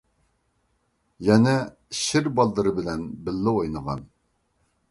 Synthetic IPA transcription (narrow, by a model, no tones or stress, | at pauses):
jɛnɛ | ʃɪɾbɑlˠd̪əɾɨbɪlɛnbɪlːɪojnəʁɑ̰n